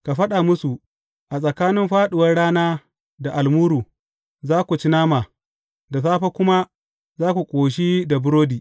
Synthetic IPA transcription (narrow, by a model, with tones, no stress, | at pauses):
ka˨ɸɐ˦ɗa˨mʊ˦su˨ | ʔa˨sʼɐ˨kaː˦nɪ˦mɸaː˦ɗɪ˨wɐ˦rɽaː˦naː˦ | da˨ʔa˨lmuː˦ɾuː˨ | zaː˦kʷu˨t͡ʃi˦naː˦maː˨ | da˨saː˦ɸa˦kʷʊ˦ma˦ | zaː˦kʷu˨kʷʼoː˨ʃ̬i˦da˨bʊ˦ɾoː˦diː˨